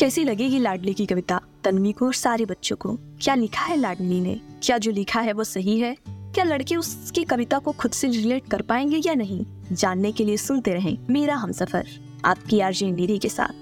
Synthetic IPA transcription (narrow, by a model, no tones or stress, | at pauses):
kɛːsilɐɡẽːɡilaːɖlikikɐʋɪt̪at̪ɐnmikoɔːɾsaːɾebɐtːʃõko̰kjaːlɪkʰaɦɛlaːɖlinḛkjaːd͡ʒoːlɪkʰaɦɛʋosɐɦiɦɛkjaːlɐɽkeʊskekɐʋɪt̪akoxʊd̪seɾɪleːʈkɐɾpaːẽːŋɡejanɐɦĩ | d͡ʒaːnːekeliesʊnt̪eɾɐɦḛ̃ːmeːɾaɦɐ̃msɐfə̰ɾ | a̰ːp̚kiaːɾd͡ʒĩːiːɾikesa̰ːt̪ʰ